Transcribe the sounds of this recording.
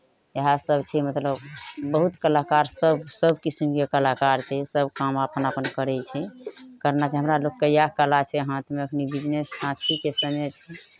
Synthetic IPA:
jəɦasəbʱt͡ʃʰɛmət̪ləbbəɦut̪kəlakaɾsəbsəbʱkisimkekəlakaɾt͡ʃʰɛsəbʱkamapənapənkəɾɛt͡ʃʰɛkəɾnat͡ʃʰɛɦəmɾalokːəjakəlat͡ʃʰɛɦãt̪meəkʰnibid͡ʒnesːãst̪ikesəmɛt͡ʃʰɛ

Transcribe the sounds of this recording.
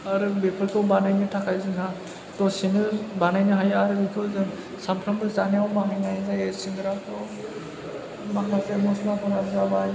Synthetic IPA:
aɾɯbepʰɯlkʰɯwbanajnɯtʰakʰajzɯŋa | tɔsinɯbanajnɯɦajaɾɯbikʰɯzɯ | sampʰɾambɯzaneawmaɦajnajzajesiŋɡɯɾatɔ | makʰasemɔsnapʰɔɾazabaj

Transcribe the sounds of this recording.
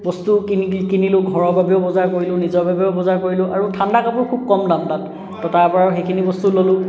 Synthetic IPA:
bɔstukinikinilʊ̃ɡʱɔɹɔɹbabɛʊbɔzaɹkoɹilʊ̃nizɔɹbʱabɛʊbɔzaɹkoɹilʊ̃ʔa̰ɹutʰandakapɔɹkʰub̚kɔmdamdat | tɔtaɹpɔɹaɹxekʰinibɔstulolʊ̃

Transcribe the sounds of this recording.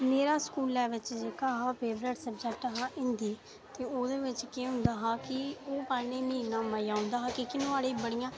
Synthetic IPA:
meːɾaːskuːlːɛːʋɪt͡ʃd͡ʒeːkaːɦapʰeːbɾeːʈsəb̚d͡ʒɛk̚ʈɦãːʔɪ̃nd̪iː | t̪eːoːd̪eːʋɪt͡ʃkeːɦʊ̃nd̪aːɦaːkɪoːpaːɾneːmiːɾnãːmaːijaːɦʊ̃nd̪aːɦaːkɪkɪnõːaːɽeːbəɽijãː

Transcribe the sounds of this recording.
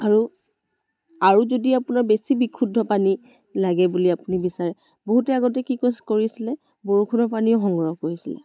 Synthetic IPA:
aɹu | aɹuzodiapunaɹbesibikʰudʱɔpani | laɡɛbuliapunibisaɹɛ | boɦutɛaɡɔtɛkikoskoɹisilɛ | boɹukʰudʱɔpaniʊxɔŋɡɔɹɔkoɹisilɛ̰

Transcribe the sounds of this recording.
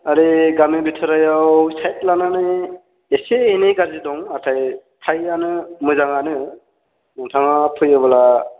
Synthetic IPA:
aɾiɡamebitʰɯɾajawsajt̚lananɯ | eseenejɡaɾzidɔŋatʰajtʰajanɯmɯzaŋanɯ | mɔŋtʰaŋapʰɯjɯbala

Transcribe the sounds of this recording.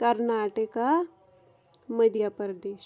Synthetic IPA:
kɐɾnaːʈəka | məd̪ʱjapəɾd̪eːʃ

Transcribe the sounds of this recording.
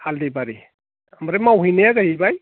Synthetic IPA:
ald̪ibaɾi | amaɾemawɦijnejaɡaɦibaj

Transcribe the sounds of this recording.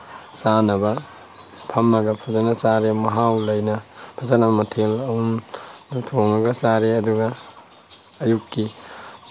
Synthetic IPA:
sanɐbɐ | pʰɐmːɐɡɐpʰuzanɐsaɾemɐɦawlɐjnɐpʰɐzanɐbɐmɐtʰelɐumdutʰoŋɐɡɐsaɾeɐduɡɐː | jukːi

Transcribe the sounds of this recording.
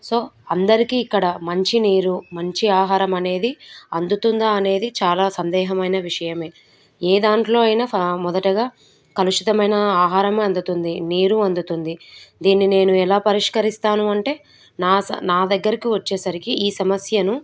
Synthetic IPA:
so̞ːɐnd̪ɐɾikiːkːɐɽɐmɐɲt͡ʃiniːɾumɐɲt͡ʃiaːɦaːɾɐmɐne̞ːd̪iɐnd̪ut̪und̪aɐne̞ːd̪it͡ʃaːlaːsɐnd̪ɛːɦɐmɐjnɐʋiʂɐjɐme̞ː | eːd̪aːɳʈlo̞ːɐjinamɔd̪ɐʈɐɡaː | kɐluʂit̪ɐmɐjnɐaːɦaːɾɐmɐnd̪ut̪und̪iniːɾuɐnd̪ut̪und̪id̪iːnːine̞ːnuɛlaːpɐɾiʂkɐɾist̪aːnuɐɳʈe̞ː | naːnaːd̪ɐɡːɐɾikiʋɐt͡ʃːeːsɐɾikiiːsɐmɐsjɐnu

